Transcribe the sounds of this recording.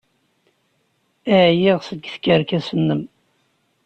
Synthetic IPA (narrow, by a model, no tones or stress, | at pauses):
æjiʁsəɡθkːəɾkæsənːəm